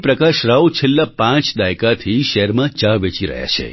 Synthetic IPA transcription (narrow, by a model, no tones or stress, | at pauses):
pɾəkaʃɾawt͡ʃʰelːapãt͡ʃd̪ajkat̪ʰiʃəɦɾmãt͡ʃaʋet͡ʃiɾə̰ɦja̰t͡ʃʰḛ